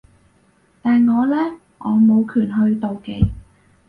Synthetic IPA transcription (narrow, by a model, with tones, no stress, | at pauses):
t̪aː˨nŋɔː˨˧lɛː˥ | ʔɔː˨˧mo˨˧wkʰyː˨˩nɦɵ˧ɥt̪o˨wke˨˧j